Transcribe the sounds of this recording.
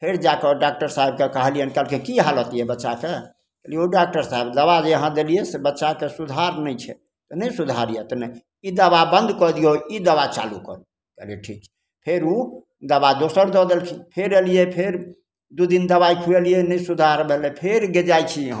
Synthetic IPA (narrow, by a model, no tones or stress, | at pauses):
pʰeɾd͡ʒakeɖak̚ʈəɾsaɦeb̚kekəɦlijənkɛlkʰekiɦalət̪jɛbətːʃake | kəlieoɖak̚ʈəɾsaɦebd̪əβad͡ʒeɦə̃d̪elijesebətːʃakesud̪ʱaɾnəjt͡ʃʰɛ | t̪ɔnəsud̪ʱaɾijet̪ɔnɛj | id̪əβabə̃nd̪ʱkɔd̪ijoid̪əβat͡ʃa̰lukə̰ɾ | kəleʈʰikt͡ʃʰɛ̥ | pʰeɾu | d̪əβad̪osəɾd̪ɔd̪elt͡ʃʰipʰeɾelijepʰeɾ | d̪ud̪ind̪əβaikʰuelijenɛjsud̪ʱaɾbʱelɛpʰeɾɡed͡ʒajt͡ʃʰiɦã